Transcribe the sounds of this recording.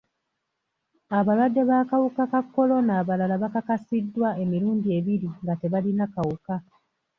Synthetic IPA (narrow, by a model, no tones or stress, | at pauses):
aβalwadːe̞βaːkawukakakːo̞lo̞naːβalalaβakakasidːwae̞miɾuːndie̞βiɾiŋɡate̞βalinakawuka